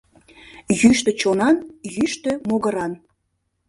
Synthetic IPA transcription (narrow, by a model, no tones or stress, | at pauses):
jyʃt̪ə̆t͡ɕonɑnjyʃt̪ø̆moɣəɾɑn